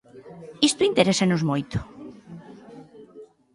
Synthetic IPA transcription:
ist̪ʊint̪eɾesanozmojt̪ʊ̥

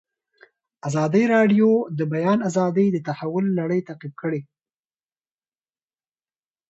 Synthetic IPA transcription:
azɑd̪əjɾɑɖjod̪əbajɑnazɑd̪əjd̪ət̪ahawʊlːaɽəjt̪aqib̚kəɽe

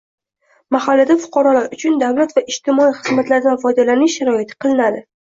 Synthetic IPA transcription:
mahalːad̪afʊ̥qʰɑɾɒlaɾʊt͡ʃʰʊnd̪avlat̪vaʔɪʃt̪ɪmɒiχɨzmat̪laɾd̪anfɒd̪alanɪʃːaɾɒɪt̪ʰɪ̥qʰɨlˠɪnad̪ɪ

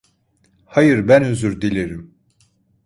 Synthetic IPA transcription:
hajɯɾbænyzyɾd̪ilʲiɾim

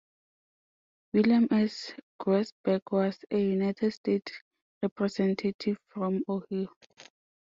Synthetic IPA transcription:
wilãmɛsɡ̥ɹɛsbɛɡwɔsejunajtʰɛdstet | ɹɛpʰɹɛsɛ̃ntʰatʰivfɹɔ̃mohi

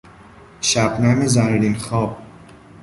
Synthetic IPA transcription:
ʃæbnæmizæɾɾinxɒːb̥̚

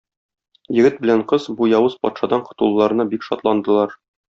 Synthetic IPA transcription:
jɘ̆ɡɘt̪̚bɘ̆læɴqɤzbujɒwɤz̥pɒ̰t̪ʃɑd̪ɑɴqŏ̥t̪ulˠːɑɾɤ̆nɑbikʃɒ̰t̪lˠɑnd̪ɤ̆lˠɑɾ

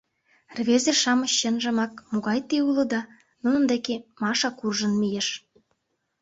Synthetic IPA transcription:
rβezĕʃɑmɤ̆ɕːə̆nʒə̆mɑkmoɣɑjt̪eulɤ̆d̪ɑ | nunə̆md̪ekemɑʃɑkurʒə̆nmijeʃ

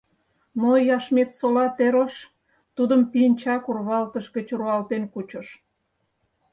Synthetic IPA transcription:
mojɑʃmet̪solɑt̪eɾoʃ | t̪ud̪əmpinʲt͡ɕɑkurβɑlt̪əʃɡət͡ɕuruɑlt̪enkut͡ɕə̆ʃ

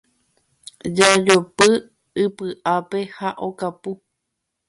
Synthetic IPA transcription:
d͡ʒad͡ʒopɨ | ɨpɨʔape̞haʔokapu

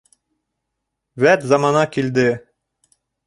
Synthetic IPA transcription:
væt̪zɑmɑnɑkild̪ɘ

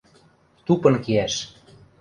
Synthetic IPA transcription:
t̪upɤ̆nkiæʃ

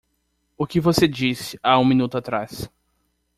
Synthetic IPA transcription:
ʊkɪvosed͡ʒisɪ̥aũmĩnut̪ʊat̪ɾas

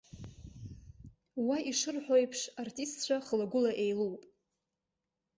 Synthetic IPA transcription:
waʔiʂɨrħʷᶣojpʰʂartʼistt͡ɕʷʰaχlaɡʷʊlaʔejluwpʼ

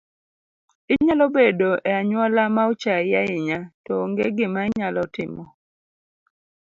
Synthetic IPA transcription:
ɪɲalɔbedoʔɛaɲwɔlamaʊt͡ʃajaɪɲatɔŋɡeɡɪmaɪɲalɔtɪmɔ

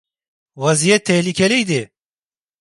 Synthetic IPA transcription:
wɐzijɛt̪ʰːɛhlikʲʰɛlijd̪ɪ

